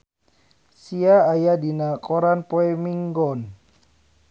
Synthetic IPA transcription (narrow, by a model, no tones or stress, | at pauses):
siaːjadinakɔɾanpoɛmiŋɡɔn